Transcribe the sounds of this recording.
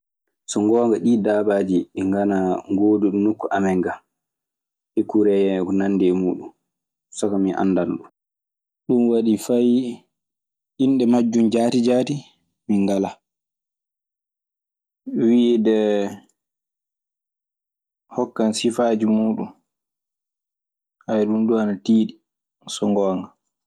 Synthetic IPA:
sɔŋɡɔːŋɡaɗiːdaːbad͡ʒiɛŋɡanaŋɡoːduɗnukːuʔamɛŋɡa | ɗɛkuɾɛjɛɔnanːdɛmuːɗum | sɔkamiʔa̰nːdanɗu | ɗunwaɗifaj | ʔinɗɛmad͡ʒːumd͡ʒaːtid͡ʒaːti | miŋɡala | widɛ | hɔkːansifaːd͡ʒimuːɗun | hajɗunduanatiːɗi | sɔŋɡɔŋɡa

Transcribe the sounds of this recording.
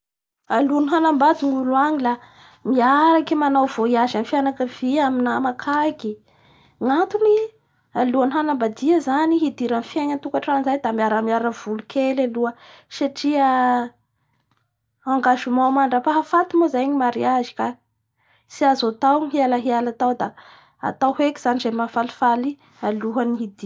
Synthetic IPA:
aluaniɦanambad̪iŋuluaŋila | miaɾakimanawv̥oiaʒanifianakəv̥iaminamakʰaki | ŋant̪uni | aluaniɦanambad̪iəzaniɦid̪iɾanfieɲənt̪ukaʈ͡ʂanzajd̪amiaɾəmiaɾəv̥ulukʰelaluə | saʈ͡ʂiə | aŋɡaʃumawmaɳɖ͡ʐapaɦafat̪imozajɲimaɾiazi̥ka | siazot̪awɦialaɦialat̪awd̪a | a̰t̪awhekiz̥anizemafali̥fali | aluɦaniɦid̪i

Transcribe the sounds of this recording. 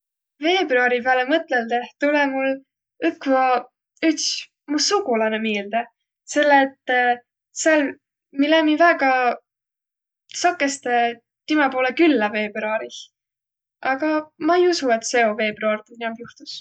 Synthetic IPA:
ve̞ːbruɑɾipæːlemɤt̪leld̪e̞ht̪ulemul | ykːvɑ | yt̪s | musuɡulɑnemiːld̪̥e | se̞lːeːt̪ː | sel | milemivæɡ̥ɑ | sɑkːˑest̪e | t̪imɑpo̞ːlekylːɑfe̞ːb̥ruɑɾi | ʔɑɡɑmɑejusue̞t̪se̞o̞ve̞ːbruɑrd̪enniɑmpjuht̪u̥s

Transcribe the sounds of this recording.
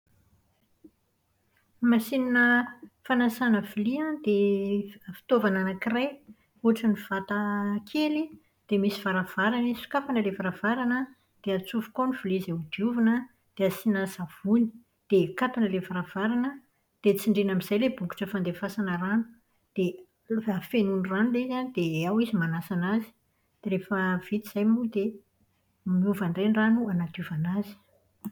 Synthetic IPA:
masininəfanasanəvuliad̪e | fi̥t̪ovananakiraj | uʈ͡ʂəniv̥at̪akʰeli | d̪̥emisiv̥aɾav̥aɾanisi̥kapanəlevaɾavaɾanə | d̪̥eat͡sufu̥koniv̥ulizeud̪iuvanə | d̪̥easinasav̥uni̥ | d̪̥ekapanəlevaɾav̥aɾanə | d̪̥et͡siɳɖ͡ʐenamiz̥ajlebuku̥ʈ͡ʂəfand̪efasanəranu̥ | d̪̥e | afenunranulezanid̪̥eawizimanasanazi̥ | d̪̥eɾefəv̥it̪iz̥ajmud̪e | miuvaɳrenranuanat̪juvanazi̥

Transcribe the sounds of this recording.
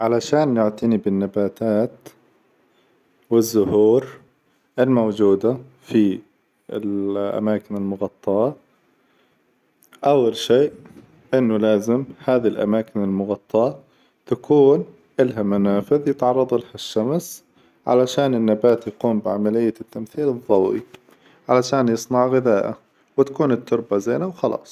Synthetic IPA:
ʕalaʃaːnːɪʕt̪anibɪnːabaːt̪aːt̪ | wɪzːʊhuːɾ | ʔɪlmowd͡ʒuːd̪a | fi | ɪ̰lʔa̰maːkɪnɪlmʊɣɑt̪ˤːɑʔɑ | ʔawːalʃiːʔ | ʔɪnːʊlaːzɪmhaːðilʔa̰maːkɪnɪlmʊɣɑt̪ˤːɑ | t̪akuːn | ʔɪlɦamanaːfɪðjɪt̪ʕɑrˤːɑðˤɪlhaʃːams | ʕa̰laʃaːnɪnːabaːt̪jɪquːmbɪʕamalɪjːat̪ːamθiːlɨðˤːɑwḭ | ʕalaʃaːnjɨsˤnɑʕɣɪðaːʔa̰ | wt̪ḁkuːnɪt̪ʰːʊɾˤbazajːnawxɑlɑ̰ːsˤ

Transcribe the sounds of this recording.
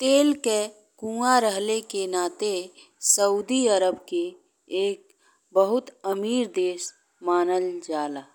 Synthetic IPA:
t̪eːlke | kũːaɾəɦlekenaːt̪e | səuːd̪iəɾəbkeː | k̚ | bəɦʊt̪əmiːɾd̪eːs | maːnəld͡ʒaːlaː

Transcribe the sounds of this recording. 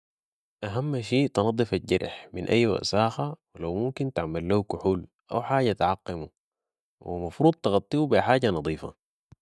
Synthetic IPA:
ʔaɦamːʃiːʔt̪ɑnɑd̪ˤːɨfaɟɑɾˤħminʔa̰jːwa̰ʔsaːxawilawmumkint̪aʕmalːahukʊħuːl | ʔa̰wħaːɟat̪ʕɑqːimu | wḭmɑfɾuːd̪̚ˤt̪ɑɣɑt̪ˤːiubiħaːɟanɑd̪ˤiːfɑ̰

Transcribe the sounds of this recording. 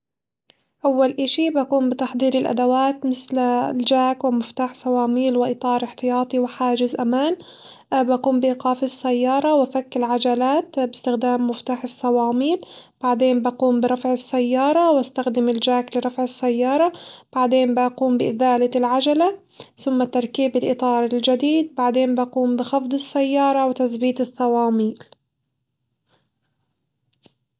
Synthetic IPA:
ʔawːalʔɪʃibakuːmbɪt̪aħd̪ˤiːɾɪlʔa̰d̪awaːt̪mɪθlld͡ʒaːkwɪmɪft̪aːħsɑwɑːmiːlwɪʔɪt̪ˤɑːɾˤɪħt̪ɪjɑːt̪ˤiwɪħaːd͡ʒɪzʔamaːn | baquːmbɪʔiqɑːfɪsːajːɑːɾˤɑwafakːɪlʕad͡ʒalaːt̪bɪst̪ɪxd̪aːmːʊft̪aːħɪsˤːɑwɑːmiːlb̥aʕd̪eːmbaquːmbɪɾˤɑfʕɪsːajːɑːɾˤɑwast̪axd̪ɪmɪld͡ʒaːklɪɾˤɑfʕɪsːajːɑːɾˤɑb̥aʕd̪eːnbaquːmbɪʔɪðaːlalʕad͡ʒala | θʊmːat̪ɑɾˤkiːbɪlʔɨt̪ˤɑːɾˤɪld͡ʒad̪iːd̪̚baʕd̪eːnbaquːmbɪxɑfd̪ˤɨsːajːɑːɾˤɑwɪt̪aθbiːt̪ɪθːɑwɑːmiːl

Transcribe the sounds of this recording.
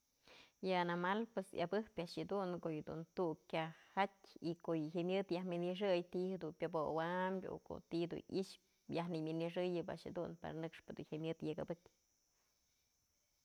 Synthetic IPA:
jɨanamalpesja̰bɨhpʲaʔʂjɨd̪uŋkoʔjɨd̪ṵnt̪ukkʲahatʲikoʔjɨɦemʲɨt̪jahmʲinɨʂ̬ɨjt̪ihed̪unpʲobowambʲo̰ko̰t̪id̪ṵnḭʃ | jahnimʲinɨʂɨjɨba̰ʔʂhed̪unpa̰ɾanɨkʂpɨd̪ṵnhemʲjɨt̪jakɨbɨkʲ

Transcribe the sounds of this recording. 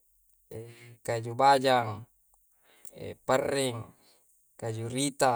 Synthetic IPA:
ekad͡ʒubad͡ʒaŋ | ḛpərːɛŋ | kad͡ʒuɾit̪a

